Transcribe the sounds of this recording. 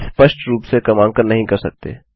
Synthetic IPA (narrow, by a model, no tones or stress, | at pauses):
spəʃʈɾuːpsekɐmãːŋkəɾnɐɦĩkɐɾsɐk̚t̪ḛː